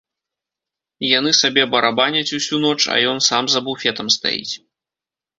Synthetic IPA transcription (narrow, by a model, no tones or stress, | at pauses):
jan̪ɨsabʲɛbɐɾabanʲɐt͡sʲusʲunɔt͡ʂɐ̰jɔnsamzɐbufʲɛt̪ɐmst̪a̰jḭt͡sʲ